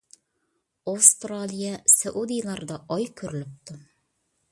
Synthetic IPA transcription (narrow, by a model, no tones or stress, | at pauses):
awst̪ralʲijasæʔud̪ijlˠɑɾd̪ɑʔɒjkʰɵɾɘ̆lɘp̚t̪ɵ